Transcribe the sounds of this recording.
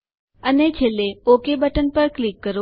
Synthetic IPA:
ənet͡ʃʰeleokebəʈənpəɾklikːəɾo

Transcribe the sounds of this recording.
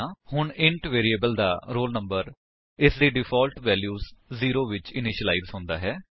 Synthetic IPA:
hʊɳɪ̃ɳʈʋeːɾieːbəld̪a̰ːɾoːlnəmbəɾ | ɪsd̪iːɖɪpʰɔːlʈʋɛːljuːzziːɾoːʋɪt͡ʃɪnɪːʃəlaːɪzɦõːnd̪a̰ːɦɛː

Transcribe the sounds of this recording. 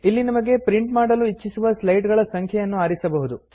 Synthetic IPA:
ilːinɐmɐɡe̞pɾiɳʈmaːɽɐluit͡ʃːisuʋɐslɐjʈɡɐɭɐsɐŋkʰjɐjɐnːuaːɾisɐbɐɦud̪u

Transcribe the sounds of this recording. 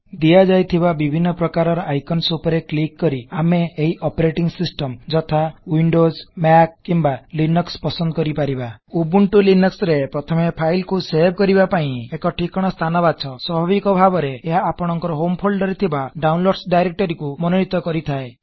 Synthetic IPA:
d̪ijad͡ʒajt̪ʰibabibʱinːɔpɾɔkaɾɔɾɔʔajkɔnsupɔɾeklikːɔɾiameːɦiʔɔpeɾeʈiŋsisʈɔmd͡ʒɔt̪ʰawiɳɖozmak̚kimbalinɔkspɔsɔnd̪ɔkɔɾipaɾibaubuɳʈulinɔksɾepɾɔt̪ʰɔmepʰajlkuseɾbʱkɔɾibapaĩekɔʈʰikɔɽ̃ɔst̪ʰanɔbad̪sʰɔswɔbʱabikɔbʱabɔɾeːɦaːpɔɽ̃ɔŋkɔɾɔɦompʰolɖɖɔɾit̪ʰibaɖaunloɽɖsɖajɾek̚ʈɔɾikumɔnɔɽ̃it̪ɔkɔɾit̪ʰae

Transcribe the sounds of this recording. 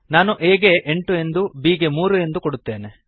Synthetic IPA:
naːnuʔeːɡeʔeɳʈue̞nd̪ubiːɡemuːɾue̞nd̪ukoɽut̪ːeːne

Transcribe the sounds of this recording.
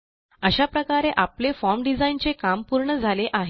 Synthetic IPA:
əɕapɾəkaɾeʔaplefɔɾmɖid͡zaint͡sekampuɾɳəd͡zʱaleʔaɦe

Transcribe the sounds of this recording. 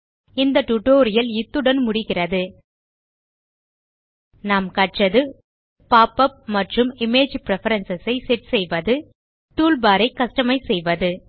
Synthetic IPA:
ɪnd̪ɐʈʊʈoːɾɪjɐlɪt̪ːɯɽɐnmʊɽɪɣɪrɐðɯ | naːmkɐʈrɐðɯ | paːpɐp̚mɐʈrɯmɪmeːd͡ʒpɪɾɛfɐɾɐnsɐsɐɪsɛʈsɛjʋɐðɯ | t̪uːlbaːɾɐɪkːɐʂʈɐmɐɪsɛjʋɐðɯ

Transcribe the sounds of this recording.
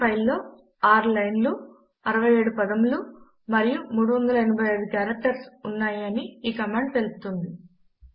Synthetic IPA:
pɐjlːo̞ː | aːɾlɐjnlu | ɐɾɐʋɐje̞ːɽupɐd̪ɐmlu | mɐɾijumuːɽuʋɐnd̪ɐlɐenɐbʱɐjɐjɽukjaːɾɐk̚ʈɐɾsunːaːjɐniiːkɐmaːɳɖt̪elusu̥t̪und̪i

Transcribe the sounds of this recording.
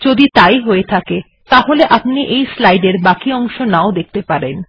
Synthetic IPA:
d͡ʑod̪it̪ajɦoet̪ʰake | t̪aɦoleʔapniʔejslajɖeɾbakiɔŋʃonaod̪ek̚ʰt̪epaɾen

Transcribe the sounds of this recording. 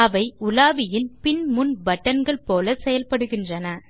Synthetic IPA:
ɐʋɐɪʊlaːʋɪjɪnpɪnmʊnbɐʈːɐnɡɐɭpoːlɐsɛjɐlpɐɽɯɣɪndrɐnɐ

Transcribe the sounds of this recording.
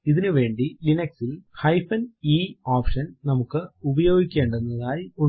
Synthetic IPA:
iðinɨʋe̞ːɳɖilinɐksilhɐjfɐniːaːpʂɐnnɐmukːɨubɐjo̞ːɡikʲːe̞ːɳɖenːɐðaːjiu

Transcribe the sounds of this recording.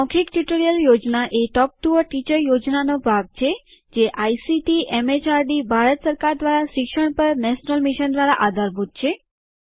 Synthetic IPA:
ɔ̃kʰikʈjuʈoɾijəljod͡ʒnaʔeʈɔp̚ʈuəʈit͡ʃəɾjod͡ʒnanobʱaɡ̚t͡ʃʰe | d͡ʒeʔajsiʈiʔemet͡ʃaɾɖibʱaɾət̪səɾkaɾd̪ʋaɾaʃɪkʃəɳ̃pəɾnɛʃnəlmiʃənd̪ʋaɾaʔad̪ʱaɾbʱut̪̚t͡ʃʰe

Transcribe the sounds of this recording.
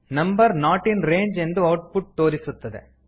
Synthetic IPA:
nɐmbɐɾnaːʈinɾe̞ːɲd͡ʒe̞nd̪uɐwʈ̚puʈ̚t̪o̞ːɾisut̪ːɐd̪e̞̰

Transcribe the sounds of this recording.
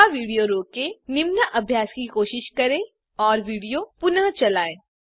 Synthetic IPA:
aʋiːɽijoɾoːkenɪmnəʔɐbʱjaːskikoːʃɪʃkɐɾẽ | ɔːɾʋiːɽijopʊnəɦt͡ʃɐlaːeː

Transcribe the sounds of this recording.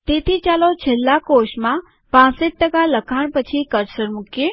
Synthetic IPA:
t̪et̪ʰit͡ʃalot͡ʃʰelːakoʃmã | pãsəʈ̚ʈəkaləkʰaɳ̃pət͡ʃʰikəɾsəɾmuki

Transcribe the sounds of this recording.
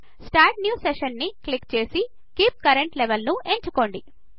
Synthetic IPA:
sʈaːɾʈnjuːseʃɐnːiklikt͡ʃe̞ːsi | kiːp̚kɐɾeɳʈleʋɐlnue̞ɲt͡ʃuko̞ːɳɖi

